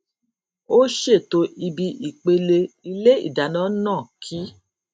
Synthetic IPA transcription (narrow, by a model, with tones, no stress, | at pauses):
o˦ʃe˦˨to˧ʔi˧bi˧ʔi˨k͡pe˧le˧i˧le˦ḭ˦˨da˨nã˨˦nãː˦˨kʰi˦